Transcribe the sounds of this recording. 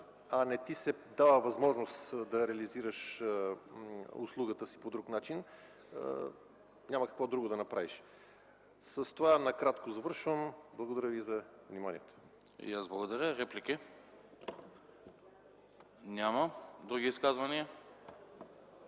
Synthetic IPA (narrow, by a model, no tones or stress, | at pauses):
ɐnɛt̪isɛd̪avəvɐzmɔʒnost̪d̪ɐɾɛɐliziɾəʃ | ʊ̰slˠuɡət̪əsi̥pod̪ɾuknat͡ʃin | nʲamɐkɐ̥kvɔd̪ɾuɡod̪ɐnɐpɾaviʃ | sɐst̪ovanɐkɾat̪kozɐvɤɾʃvəmblˠɐɡod̪ɐɾʲjəvizɐ | vnimanḭɛt̪o̥̰ | jazblˠɐɡod̪ɐɾʲəɾɛpliki | nʲamɐd̪ɾuɡʲiiskazvɐniə